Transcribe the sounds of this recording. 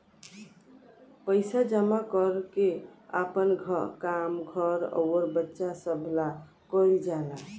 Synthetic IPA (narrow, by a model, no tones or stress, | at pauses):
pəjsad͡ʒəmakəɾkea̰pənɡʱəkamɡʱəɾə̰wəɾbətːʃasəbʱla | kəjld͡ʒala